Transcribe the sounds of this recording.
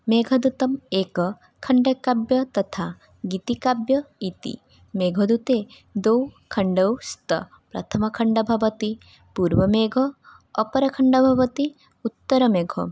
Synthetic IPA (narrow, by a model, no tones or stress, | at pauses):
meːɡʱɐd̪ut̪ɐmeːkɐ | kʰɐɳɖɐkabjɐt̪ɐt̪ʰa | ɡit̪ikabjɐit̪ḭ | meːɡʱɐd̪ut̪eː | d̪owkʰɐɳɖɐwst̪ɐ̰ | pɾɐ̰t̪ʰɐmɐkʰɐɳɖɐbʱɐʋɐt̪i | puːɾʋɐmeːɡʱɐː | pɐɾɐkʰɐɳɖɐbʱɐʋɐt̪i | ut̪ːɐɾɐmeːɡʱɔ